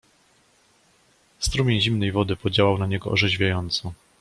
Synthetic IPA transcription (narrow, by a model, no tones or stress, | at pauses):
st̪ɾumʲɛʑimnɛjvɔd̪ɘpɔd͡ʑawawnaɲɛɡɔ̰ʔɔ̰ʐɛʑvʲjajɔnt̪sɔ̃